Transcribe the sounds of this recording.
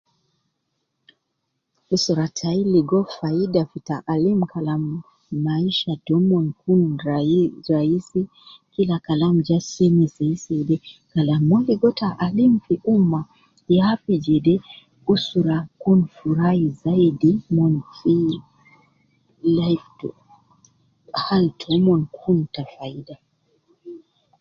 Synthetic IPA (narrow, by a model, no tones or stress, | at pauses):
usɔɾatʰailiɡɔfaidafitaʔalimkʰalamː | aiʃadɔmɔnkunɾaɾaisi | kilakalam̩d͡ʒasɛnisɛisɛdɛkalamːɔliɡɔtʰaʔalimfiʔuma | jafid͡ʒɛdɛ | usuɾakunfuɾahizaidimɔnfi | laift | haltʰɔmɔnkʰuntafaida